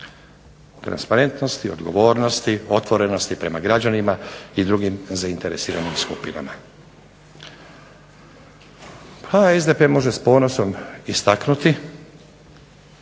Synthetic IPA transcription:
t̪ɾa̰nspaɾe̞nt̪no̞st̪iod̪ɡo̞ʋo̞ːɾno̞st̪io̞t̪ʋo̞ɾe̞no̞st̪ipɾe̞maɡɾad͡ʑanimaid̪ɾuɡimzaint̪e̞ɾesiːɾanimskupina̰ma | pʰaezd̪e̞pemo̞ʒespo̞ːno̞so̞mist̪aknut̪i

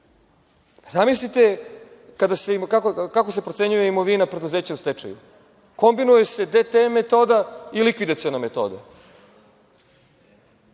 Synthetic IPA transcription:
zamis̬lit̪e̞kad̪asekakokakos̬e̞pɾot̪se̞ɲuje̞imoʋinapɾe̞d̪uzeːt͡ɕaust̪et͡ʂa̰jṵ | ko̞mbinuje̞se̞d̪et̪emet̪o̞ːd̪ailikʋid̪at̪sionamet̪o̞̰ːd̪a̰

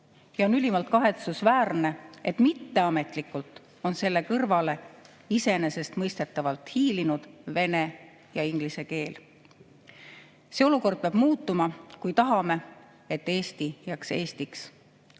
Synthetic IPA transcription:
jɑo̞nylimɑlt̪̚kɑɦe̞t̪susvæːrne̞e̞t̪ːˑmit̪ːe̞ɑme̞t̪ˑlikːult̪ˑ | o̞nse̞lːe̞kɤrvɑle̞ | ise̞ne̞se̞st̪mɤjst̪et̪ːˑɑvɑlt̪hiːlinud̪̥ve̞ne̞ | jɑiŋɡ̥lise̞ke̞ːl | seːo̞luko̞rd̪̚peɑb̥muːt̪ːˑumɑkujt̪ɑɦɑme̞ | e̞t̪ˑːe̞ːst̪ijækseːst̪iks

